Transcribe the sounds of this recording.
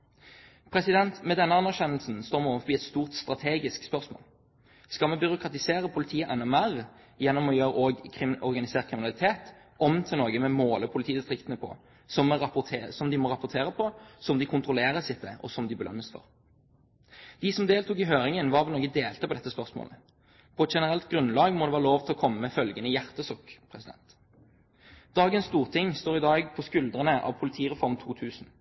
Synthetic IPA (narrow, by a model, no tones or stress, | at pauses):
pʰɾɛsɪd̪ɛnt̪mɛd̪ɛnːəɑnːæʁɕɛnːəlsn̩st̪oːʁmɛoːʋəfɔbiːɛt̪st̪uːʁt̪st̪ʁɑt̪ʰeːɡɪskspœʁsmo̰ːl | skɑlmɛbʏɾʊkʰʁɑt̪ɪseːɾəpʰʊlɪt̪ʰiːəʔɛnːɛmæʁ | jɛnːɔmɔjøːɾəoːɡkʰɪɔʁɡɑnɪseːʁkʰɾɪmɪnɑlɪt̪ʰeːt̪ | ʔɔmt̪ʰɪlnɔːɡəmɛmoːləpʰʊlɪt̪ʰiːd̪ɪst̪ʰʁɪkt̪ənəpʰɔ̰ | sɔmːɛɑp̪ʰːsɔmd̪ɪmɔʁɑpːʊʁt̪ʰeːʁəpʰɔsɔmd̪ɪkʰʊnt̪ʁʊleːʁəsɪt̪ːəʔɔ̰sɔmd̪ɪbəlœ̰nːəsfɔ̰ʁ | d̪̥ɪsɔmd̪eːlt̪uːkɪɦøːɾɪŋənʋɑʁʋɛloːɡəd̪eːlt̪əpʰɔd̪ɛt̪ːəspœʁsmo̰ːlə | pʰɔɛt̪ʃɛnəʁɛlt̪ɡɾʉnlɑːɡmɔd̪ɛʋæːʁəloːʋt̪ʰɛlɔkʰɔmːəmɛfœlɡənəjæʁt̪əsɔkpʰʁɛsɪd̪ɛ̰nt̪ | d̪̥ɑːɡənst̪uːʁt̪ʰɪŋst̪oːʁɪd̪ɑːɡpʰɔskʉld̪ʁənəʔɑ̰ʋpʰʊlɪt̪ʰiːʁɛfɔɾmt̪ʰuːt̪ʰʉːsn̩